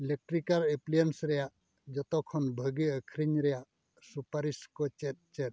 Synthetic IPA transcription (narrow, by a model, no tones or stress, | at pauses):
elek̚ʈɾikaɾeplijənsɾɛjaʔ | d͡ʒɔt̪ɔkʰɔnbʱəɡiəkʰɾiɲɾɛjaʔ | supaɾiskɔt͡ʃɛt̪̚t͡ʃɛt̪̚